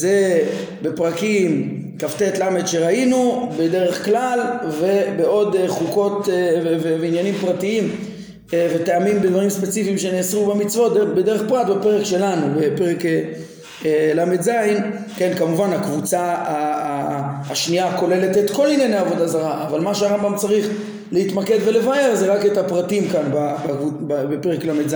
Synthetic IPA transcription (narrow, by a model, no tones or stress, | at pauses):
ze | be̞pʁakim | kaft̪et̪lame̞d̪ʃe̞ʁainubed̪e̞ʁe̞χklalve̞beo̞d̪eχuko̞t̪veveveinjanimpʁat̪iim | ve̞t̪eamimbed̪vaʁimspe̞t͡sifiimʃe̞nesʁubemit͡svo̞t̪̚dbed̪eeχpʁat̪bepeʁekʃe̞lanubepeʁeke | elamezain | ke̞nkamuvanakvut͡saaː | ʃniako̞le̞le̞t̪et̪ko̞lineneavo̞d̪azaʁaʔavalmaʃeaʁambamt͡saʁiχ | lehit̪make̞d̪ve̞le̞vae̞ʁzeʁaket̪hapʁatimkanbabavubbepe̞ʁeklameza